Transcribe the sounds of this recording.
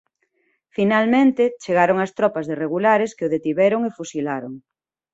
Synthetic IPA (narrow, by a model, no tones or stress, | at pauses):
finalmẽnt̪et͡ʃeɣaɾoŋast̪ɾɔpazðereɣ̞ulaɾeskeoðet̪iβɛɾoŋefusilaɾoŋ